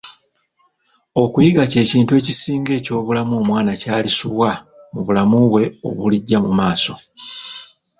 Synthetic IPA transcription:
o̞kujiɡace̞ːciːntue̞ːcisiːŋɡe̞ːco̞ːβulamumwaːnacaːlisuβwa | muβulamuβwe̞o̞̰βuliɟːamumaːso̞

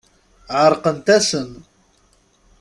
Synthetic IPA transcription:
ʕəɾˤqənt̪æsən

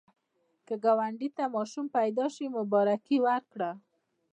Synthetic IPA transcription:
kəɡawaɳɖit̪amɑʃumpajd̪ɑʃimʊbɑɾakiwaɾkɽa

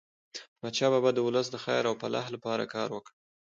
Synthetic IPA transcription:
mat͡ʃɑbabad̪ːəwʊləs̬d̪əxajɾawpala̰hlapɑɾa̰kɑɾwəkɽ

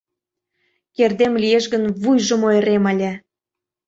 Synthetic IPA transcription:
kerd̪emlʲieʃɣənβujʒə̆moeɾeməlʲæ

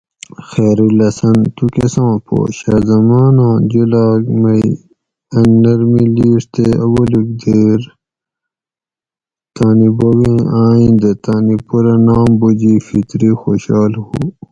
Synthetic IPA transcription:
xeːɾilɐsɐnt̪ukesãːpo̰ːɕɐzɐmaːnãːd͡ʑulaːɡmɐi | ɐnːɐɾmiliːʂt̪eɐbɐluk̚d̪eːɾ | t̪aːnibowĩaːĩnd̪t̪aːnipuɾɐnaːmbud͡ʑifit̪ɾixoɕaːlhu

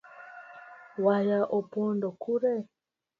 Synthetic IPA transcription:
wajaʔopɔndɔkuɾɛ

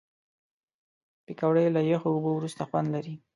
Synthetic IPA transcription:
pɪkawɽəjlajaxoʊbowɾust̪axwand̪laɾi

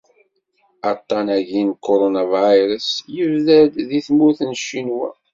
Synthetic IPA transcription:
ɑt̪ˤːɑnæʝinkʰːoɾonavajɾəsjəvðæd̪ðiθmʊɾθənʃːinwæ̰

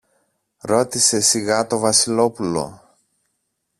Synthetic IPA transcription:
ɾo̞t̪ise̞siɣɐt̪o̞vɐsilo̞pulo̞̰

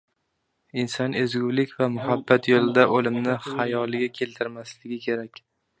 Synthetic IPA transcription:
ɪnsɒnezɡʲʊwlɪkʲvamʊhabːat̪jolˠɪd̪aʔolɪmnɪhajɒlˠɪɡʲakʲʰe̞lt̪ʰɪɾmaslɪɡʲɪkʲʰe̞ɾakʲ

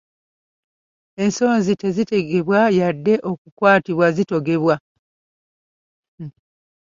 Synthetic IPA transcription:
e̞nso̞ːnzite̞zite̞ɡe̞βwajadːe̞ʔo̞kukwaːtiβwazito̞ɡe̞βwa

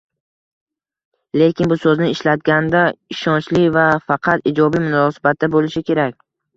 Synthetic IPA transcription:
le̞kʲɪnbʊsɵznɪɪʃlat̪̚ɡʲand̪aɪʃɒnt͡ʃlɪvafɑqʰɑt̪ɪd͡ʒɒbimʊnɒsḁbat̪̚d̪abolɪʃɪkʲe̞ɾakʲ

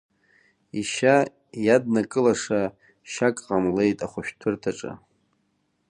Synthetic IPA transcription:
iʃa | jad̚nakʼɨlaʂa | ʃakʼqʼamle̞jtʼaχʷʊʃᶣtʰɨrtʰaʈ͡ʂʼa̰

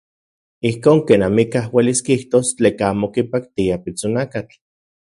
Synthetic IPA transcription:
ihkoːŋkeːnamikahweliskiht̪ost͡ɬeːkaaːmokipakt̪iapit͡sonakat͡ɬ

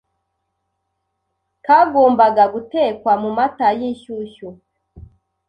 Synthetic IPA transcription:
kaɡoːmbaɡaɡute̞ːkwamumatajiʃuʃu

